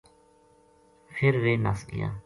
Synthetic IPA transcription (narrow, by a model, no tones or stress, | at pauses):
pʰɪɾʋeːnaːslɪ̰ja̰ː